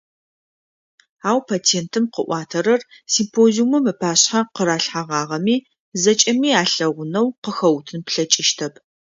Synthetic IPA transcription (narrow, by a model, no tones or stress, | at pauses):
aːwpʰaːtʰeːntʰɨmqəʔʷɑːtʰɐɾɐrsimpʰoːziumɐmɨpʰaːɕħaqəɾaːɬħaʁɑːʁɐmiː | zɐt͡ʃʼɐmiːaːɬɐʁʷʊnɐwqəxɐwtʰɨnpɬɐt͡ʃʼɪʃtʰɐpʰ